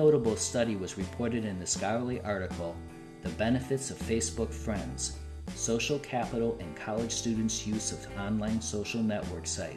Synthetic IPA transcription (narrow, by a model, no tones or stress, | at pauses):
oʊɾəbl̩ˠstʌɾiwʌzɹɨpʰɔɹɾɨɾɨ̃nðɨskɑɹliʔɑɹɾɨkʰl̩ˠ | ðɨbɛnɨfɨtsʌv̥feɪsb̥ʊkfɹɛ̃ndz̥ | soʊʃl̩ˠkʰæpəɾl̩ˠɨ̃nkʰɑlˠəd̥ʒ̥stʉdⁿn̩tsjʉzʌvɑ̃nlãɪ̃nsoʊʃl̩ˠnɛʔwɜ̰˞ksaɪt̚